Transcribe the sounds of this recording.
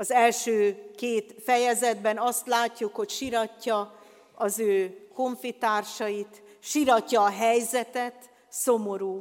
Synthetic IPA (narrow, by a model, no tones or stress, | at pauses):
ɒzɛlʃøːkeːt̪fɛjɛzɛd̪bɛnɒst̪laːcːukho̞cʃiɾɒcːɒ | ɒzøːko̞ɱfit̪aːrʃɒjit̪ | ʃiɾɒcːɒːɦɛjzɛt̪ɛt̪ | somo̞ɾuː